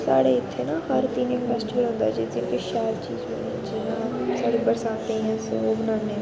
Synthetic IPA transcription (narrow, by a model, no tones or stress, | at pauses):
saːɽeːɪt̪ʰːeːnaːɦəɾt̪iːnẽːpʰɛːsʈɪʋəlɦʊ̃ːnd̪a̰ːd͡ʒiːzɪnkeʃaːɾt͡ʃḭːzbənid͡ʒɪnãːsaːɽiːpəɾsãːt̪ẽːɦɛ̃ːsoobənaːneː